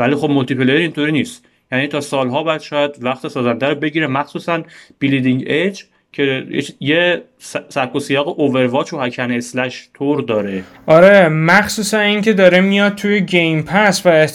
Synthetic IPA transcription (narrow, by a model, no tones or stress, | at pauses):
væliːxo̞b̚molt̪ʰipʰelejeɾint̪ʰoɾiːniːst̪ | jæːniːt̪ʰɒːsɒːlɦɒːbɒjæd̪ʃɒːjæd̪væxt̪ʰesɒːzænd̪æɾobe̞ɟiːɾemæxsuːsænb̥ilid̪iŋɟed͡ʒ | cʰe̞jḛje | ssækʰːosijɒːɣeʔove̞ɾvɒːt͡ʃʰohæcʰæneslæʃt̪ʰoɾd̪ɒːɾe | ʔɒɾemæxsuːsæniːŋcʰe̞d̪ɒːɾemijɒd̪̚t̪ʰujeɟejmpʰæsvæe